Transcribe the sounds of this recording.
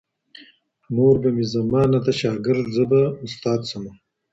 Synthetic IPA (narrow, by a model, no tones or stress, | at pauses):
moːɾbɐmizɐmaːnɐt̪ɐɕaːɡɪɾd̪zəbɐust̪aːd̪sɐmɐ